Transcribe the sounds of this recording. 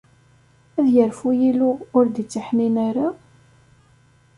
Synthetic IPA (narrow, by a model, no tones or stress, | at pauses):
æðjəɾfujilʊʊɾd̪it͡sːiħninaɾa